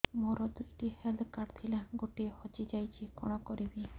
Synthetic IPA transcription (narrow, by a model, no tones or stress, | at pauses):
moɾɔd̪ujʈiheld̪kaɖt̪ʰilaɡoʈihɔt͡ʃid͡ʒajt͡ʃʰikɔ̰ɽ̃ɔkɔɾibi